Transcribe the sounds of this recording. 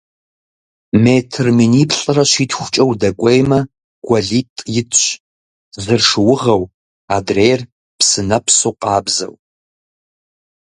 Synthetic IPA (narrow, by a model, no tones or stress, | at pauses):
meːtʰɨrminipʰɬʼɨrɐʃʷitʰxʷt͡ʃʼɐwdɐkʷʼejmɐ | ɡ̥ʷɐɮitʼjɪtʰɕ | zɨrʂɨwʊʁɐw | adrejr | pʰsɨnɐpʰsowqʼɑːbzɐ̰w